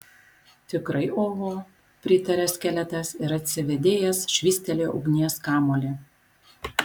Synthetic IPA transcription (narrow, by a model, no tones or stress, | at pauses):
t̪ʲɪkɾɐɪoːʋoː | pʲɾʲɪt̪ɐɾʲɛsʲkʲæːlʲɛt̪ɐsɪɾɐt̪ʲsʲɪʋʲɛd̪ʲeːjɛsʃʲʋʲiːsʲt̪ʲɛlʲoːʔɔ̰ʊɡnʲiɛskɑːmoːlʲeː